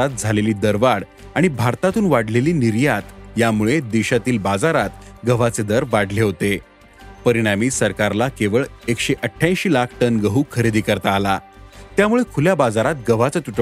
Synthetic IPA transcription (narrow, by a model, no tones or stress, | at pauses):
at̪̚d͡zʱaleliːd̪əɾʋaɽ | aɽ̃ibʱaɾt̪at̪uːnʋaɽleliːniɾjat̪jamuɭed̪iɕat̪iːlbad͡zaɾat̪ɡəʋ̤at͡sed̪əɾʋaɽleɦot̪e | pəɾiɽ̃amiːsəɾkaɾlakeʋəɭekɕeʔəʈʰjãj̃ɕiːlakʰʈənɡəɦuːkʰəɾid̪iːkəɾt̪aːlat̪jamuɭekʰuljabad͡zaɾat̪̚ɡəʋ̤at͡sat̪uʈ